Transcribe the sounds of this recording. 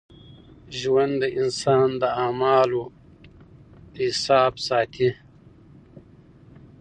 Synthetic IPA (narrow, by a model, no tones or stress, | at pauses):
ʒwand̪d̪əʔɪnsɑːnd̪əaːmɑːlo | hɪsɑːbsɑːt̪ʰi